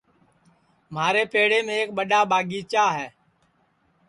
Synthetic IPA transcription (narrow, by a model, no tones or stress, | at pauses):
m̤aːɾeːpeːɽeːmẽːeːk̚ɓəɗaːɓaːɡiːt͡ʃaːɦɛː